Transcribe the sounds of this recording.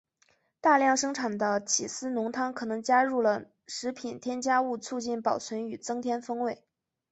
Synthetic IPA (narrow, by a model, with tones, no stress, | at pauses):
t̪a˥˧ljɑ˥˩ŋʂɤ˥ŋʈ͡ʂʰa˨˩nd̪ə˦t͡ɕʰi˨˩sɹ̩˥nʊ˧˥ŋt̪ʰɑ˥ŋkʰɤ˨˩nɤ˧˥ŋt͡ɕja˥ɻu˥˩lə˩ | ʂɻ̩˧˥pʰi˨˩nt̪ʰjɛ˥nt͡ɕja˥u˥˧t͡sʰu˥˧t͡ɕi˥˩npɑ˨˩ʊt͡sʰwə˧˥ny˨˩t͡sɤ˥ŋt̪ʰjɛ˥nfɤ˥ŋwe˥˩ɪ